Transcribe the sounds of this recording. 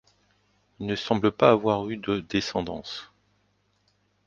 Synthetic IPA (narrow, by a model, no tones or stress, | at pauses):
ilnəsɑ̃bləpaːvwaʁyd̪əd̪esɑ̃d̪ɑ̃s